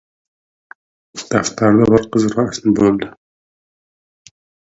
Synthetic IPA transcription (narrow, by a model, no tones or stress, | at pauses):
d̪̥aft̪ʰaɾd̪abɪɾqəzɾɑasnɪbolˠd̪ɪ